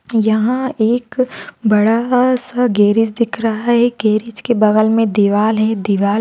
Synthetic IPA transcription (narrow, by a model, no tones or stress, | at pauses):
jɐɦãeːkbɐɽasaɡeːɾɪt͡ʃd̪ɪkʰɾɐɦaɦɛɡeːɾɪt͡ʃkebɐɣəlmẽd̪iʋaːlɦɛd̪ɪʋaːl